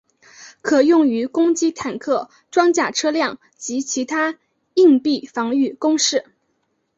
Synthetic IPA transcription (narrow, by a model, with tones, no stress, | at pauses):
kʰɤ˨˩jʊ˥˩ŋy˧˥kʊ˥ŋt͡ɕi˥t̪ʰa˨˩nkʰɤ˥˩ | ʈ͡ʂwɑ˥ŋt͡ɕja˥˩ʈ͡ʂʰɤ˥ljɑ˥˩ŋ | t͡ɕi˧˥t͡ɕʰi˧˥t̪ʰa˥ | i˥˧ŋpi˥˩fɑ˧˥ŋy˥˩kʊ˥ŋʂɻ̩˥˩